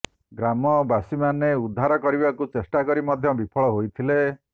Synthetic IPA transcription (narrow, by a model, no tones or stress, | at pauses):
ɡɾamɔbasimaneud̪ʱːaɾɔkɔɾibakut͡ʃesʈakɔɾimɔd̪ʱjɔbipʰɔɭɔɦojt̪ʰile